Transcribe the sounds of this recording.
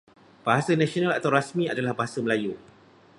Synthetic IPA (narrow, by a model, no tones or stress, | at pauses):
b̥aɦasanãsionãla̰t̪awɾasmĩadalahbaɦasaməlaju